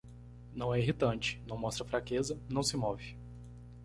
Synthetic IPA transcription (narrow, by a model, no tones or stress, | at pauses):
nɐ̃w̃ɛiɦit̪ɐ̃t͡ʃɪ̥nɐ̃w̃mɔst̪ɾɐfɾakezɐnɐ̃w̃sɪmɔvɪ